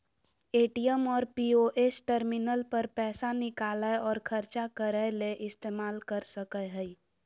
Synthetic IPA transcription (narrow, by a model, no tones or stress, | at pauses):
eːʈijəmɔːɾpioʔesʈəɾminəlpəɾpɛːsanɪkaːləɔːɾkʰəɾt͡ʃakəɾəleʔɪst̪eːmaːlkəɾsəkəɦəi